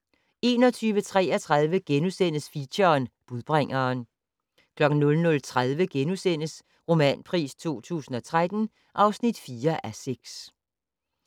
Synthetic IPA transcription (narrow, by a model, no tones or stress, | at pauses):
e̝ːnɒ̽t͡sʰyːʋət͡sʰʁɛ̰ːɐt͡sʰʁað̞ˠʋəɡ̥enusen̰əsfiɕɐnb̥uðˠb̥ʁaŋ̰ɐːn | kʰlɒ̽ɡ̥n̩nɔ̽lnɔ̽lt͡sʰʁað̞ˠʋəɡ̥enusen̰əs | ʁo̝mɛ̰ːnpʰʁḭːst͡sʰo̝̰ːt͡sʰṵːsn̩ɒ̽t͡sʰʁad̥n̩ | ʔɑ̈ʊsnid̥fiːɐʔæseɡ̥s